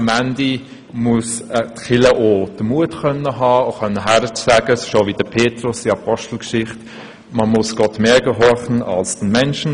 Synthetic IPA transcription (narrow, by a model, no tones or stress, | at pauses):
mændi | muəstχɪləʔod̥əmuətkœnːəɦɑːoχœnːəɦæɾət͡sæɡ̥əsɪʃovid̥əpʰeːtɾʊsdiɑpʰɔʃtl̩kʃɪχt | məmʊsɡ̥ɔtmeːɡəɦɔɾχn̩ɑ̰lsd̥n̩mɛnʃn̩